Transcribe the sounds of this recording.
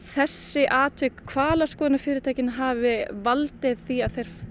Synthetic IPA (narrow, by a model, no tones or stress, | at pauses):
θɛsːɪʔaːt̪ʰvʏkʰvaːlaskɔːðɪnafɪːɾɪt̪ʰaːjcɪnɦaːvɪvalt̪ɪðθiaðθejɾ̥f